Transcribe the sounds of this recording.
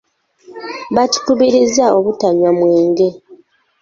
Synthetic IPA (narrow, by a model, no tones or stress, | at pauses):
βatu̥tuβeɾezaoβutaɲamweːŋɡe̞